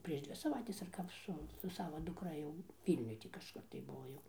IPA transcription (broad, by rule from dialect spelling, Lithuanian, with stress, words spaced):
pʲrʲiɛʃ ˈdʲʋʲɪ sɐˈʋɐɪtʲɛs ɐr ˈkɐp ˈsʊ sʊ ˈsɑːʋoː dʊkˈrɐ jɛʊ ˈʋʲiːlʲnʲʊj tʲiː kɐʃˈkʊr tɐɪ ˈbʊʋoː jɛʊ